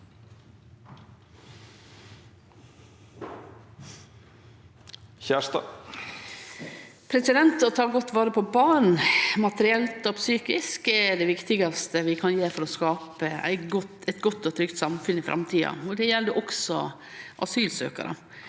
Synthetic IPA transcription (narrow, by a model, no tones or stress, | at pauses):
çæːʂt̪ɑ | pʰɾɛsɪd̪ɛnt̪ɔt̪ʰɑːɡɔt̪ːʋɑːɾəpʰɔbɑːɳ̩mɑt̪əɾɪɛlt̪ɔpsyːkɪskɛɖɛʋɪkt̪ɪɡɑst̪əʋɪkʰɑnjeːfɔɾɔskɑːpəæ̰ɪɛɪt̪ɡɔt̪ːɔt̪ʰɾʏkt̪sɑmfʉnɪfɾʔɑ̰mt̪ʰiːɑ̰ɔd̪ɛjɛlːd̪ɛʔɔksɔ | ʔɑ̰syːlsø̰ːkɑ̰ɾʔə̰